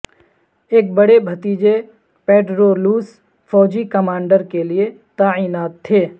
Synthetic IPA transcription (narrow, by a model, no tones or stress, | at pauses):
eːk̚bɐɽebʱɐt̪iːd͡ʒe | peːʈɾoːluːs | fɔːd͡ʒikɐmãːɳɖəɾkelie | t̪aːiːnaːt̪ʰːeː